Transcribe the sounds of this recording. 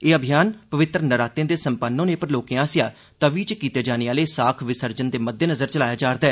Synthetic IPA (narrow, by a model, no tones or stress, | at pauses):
eːəbʱijaːnpəʋɪt̪ɾənəɾaːt̪ẽːd̪eːsəmpənːõːnẽːpəɾloːkẽːãːsɪjaː | t̪əʋiːt͡ʃkiːt̪eːd͡ʒaːneaːleːsaːkʰʋɪsəɾd͡ʒənd̪eːməd̪ːeːnəzəɾt͡ʃəlaːjaːd͡ʒaːɾd̪aː